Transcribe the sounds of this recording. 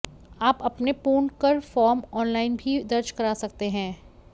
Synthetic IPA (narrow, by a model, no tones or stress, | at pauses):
aːpɐpnepuːɳkɐɾfɔːɾmɔːnlaːɪnbʱid̪ɐɾd͡ʒkɐɾaːsɐk̚t̪eɦɛ̃ː